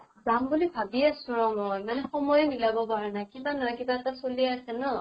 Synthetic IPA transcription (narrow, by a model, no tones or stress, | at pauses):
zambulibʱabiasuɹɔmɔjmanɛxɔmɔjɛmilabɔpaɹɛnakibanɔjkibaɛtasolieasɛnɔ